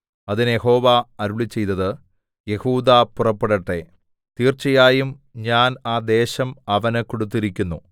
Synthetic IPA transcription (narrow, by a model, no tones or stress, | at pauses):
ɐðinɨjeho̞ːʋaɐɾuɭit͡ɕːe̞jt̪ːɐðɨ | je̞huːd̪apurɐpːeɽɐʈːe | t̪iːrt͡ɕːɐjaːjumɲaːnaːd̪e̞ːɕɐmɐʋɐnɨkoɽut̪̬ːiɾikʲːunːu